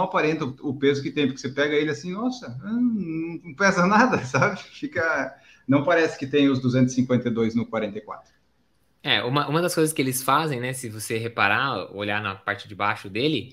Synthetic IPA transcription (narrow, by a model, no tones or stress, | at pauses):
ɐpaɾẽnt̪ɐʊʊpezʊkɪt̪ẽj̃pʊɾkɪsepɛɡɐelɪasĩnɔsɐɐ̃nnɐ̃w̃nɐ̃w̃pɛzɐnad̪ɐsabɪfikɐ | nɐ̃w̃paɾɛsɪ̥kɪt̪ẽj̃ʊzd̪uzẽnt̪ʊsĩŋkwẽnt̪ejd̪ojznʊkwaɾẽnt̪ejkwa̰t̪ɾʊ | ɛ̰ũmɐʔũmɐd̪ɐskojzɐskɪelɪsfazẽj̃nɛsɪvoseɦepaɾao̰ʎanɐpaɾt͡ʃɪd͡ʒɪbaʃʊd̪elɪ